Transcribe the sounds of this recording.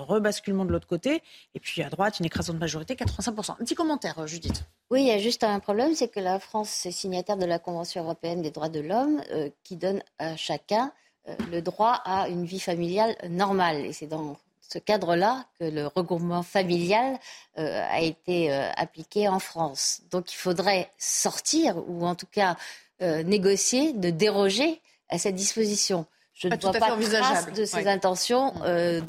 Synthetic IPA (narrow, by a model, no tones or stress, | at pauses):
ʁəbaskʲylmɑ̃d̪əlot̪χəkot̪eepɥiad̪ʁwat̪ynekχazɑ̃d̪əmaʒɔʁit̪ekat̪χəvɛ̃sɛ̃k̚puʁsɑ̃ɛ̃pət̪ikɔmɑ̃t̪ɛʁʒyd̪it̪ | wiaʒyst̪ɛ̃pχɔblɛmsɛkəlafχɑ̃sɛsiɲjat̪ɛʁd̪əlakɔ̃vɑ̃sjɔ̃øʁɔpeɛnd̪ed̪ʁwad̪əlɔmø̰kʲid̪ɔnaʃakʲɛ̃ | ø̰ləd̪ʁwaʔaynvifamiljalnɔʁmalḛsɛd̪ɑ̃ | səkad̪ʁəlakələʁəɡʁupmɑ̃familjalø̰a̰et̪eø̰a̰plikʲeɑ̃fχɑ̃sd̪ɔ̃kilfod̪ʁɛsɔʁt̪iʁṵɑ̃t̪u̥ka | øneɡɔsjed̪əd̪eʁɔʒe | asɛt̪̚d̪ispozisjɔ̃ | ʒ̥ənəvwapãviaʒasd̪əsezɛ̃t̪ɑ̃sjɔ̃ø